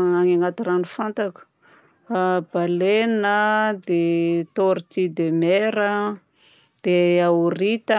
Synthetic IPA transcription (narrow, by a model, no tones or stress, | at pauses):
aŋaŋat̪iɾanifant̪akə̥ | ab̥alenəd̪et̪oɾit̪id̪emeɾə | d̪̥eawuɾit̪ə